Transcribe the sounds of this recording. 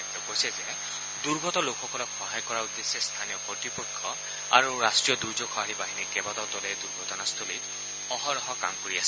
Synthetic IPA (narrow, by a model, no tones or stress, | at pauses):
tɔkojsɛzɛ | duɹɡʱɔtɔlokxɔkɔlɔkxɔɦajkɔɹaud̪ːesɛst̪ʰanijɔpɔtɹipɔkʰːɔ | a̰ɹuɹastɹijɔduɹzokʰxʰɔaɹibaɦinikɛbatɔtɔlɛduɹɡʱɔtɔnast̪ʰolit | ɔɦɔɹɔɦɔka̰mkoɹiasɛ